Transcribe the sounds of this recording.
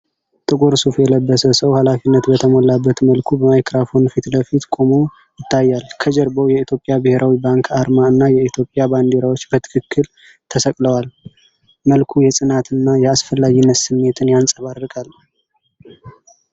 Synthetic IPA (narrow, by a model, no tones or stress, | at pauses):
t̪ʼɨkʼoɾsufjɛləbːəsəsəwhalafinːət̪bət̪ʰəmolabːət̪məlkʰubəmajkɾafo̞nfit̪ləfit̪kʼo̞mo | jɪt̪ʰːajːalkʰəd͡ʒɛɾbəwjɛit̪ʰjo̞pʼjabɨhe̞ɾʔawibaŋkʰaɾmaɨnːajɛit̪ʰjo̞pʼːjaband̪eɾawo̞t͡ʃːbət̪ʰɨ̥kʰɨkʰːɨl | t̪ʰəsəkʼləwal | məlkʰujɛsʼɨnat̪ɨnːajɛasfəlːaɡinːət̪sɨmːe̞t̪ʰɨnjansʼəβaɾɾɨkʼal